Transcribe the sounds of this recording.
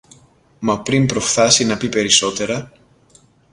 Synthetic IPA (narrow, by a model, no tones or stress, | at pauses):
mɐpɾimpɾo̞fθɐsinɐpipe̞ɾiso̞t̪e̞ɾɐ